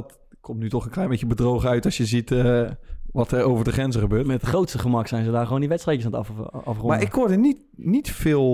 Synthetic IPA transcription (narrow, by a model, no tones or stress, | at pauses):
t | kʰomtnytɔχənklɛjmbejcəbədrowχəœɥtɔsjəzitəʋɑtərowvəɹdəχrɛnzəχəbøːtmɛtətχrowtstəχəmɑksɛjnzədaːrχəʋowndiʋɛtstrɛjkəsantɑ̰fɑfχmaɹɪkhʊɹdənit | nitfɪːlˠ